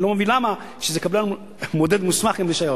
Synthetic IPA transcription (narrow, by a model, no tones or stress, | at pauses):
lomevinlama | ʃezekablan | mod̪ed̪musmaχɡimliʃajo